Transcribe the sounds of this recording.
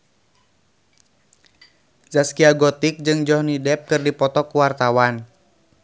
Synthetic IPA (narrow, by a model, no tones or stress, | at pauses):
zaskiaɡɔt̪ik̚d͡ʒɨŋd͡ʒɔhnidɛp̚kɨrdipɔt̪ɔkuwart̪awan